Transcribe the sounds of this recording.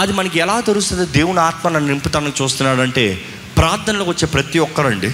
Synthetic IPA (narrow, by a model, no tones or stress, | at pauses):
ɐd̪imɐnɐk̬iɛlaːt̪ɐɾust̪ɐnd̪ed̪eːwunaːt̪mɐnɐnːnimpit̪ɐɐnɐkt͡ʃuːst̪unːaːɽɐɳʈe̞̰ː | pɾaːɾt̪ʰːɐnɐloːkʋɐt͡ʃːe̞ːpɾɐt̪iɔkːɐɾɐɳɖi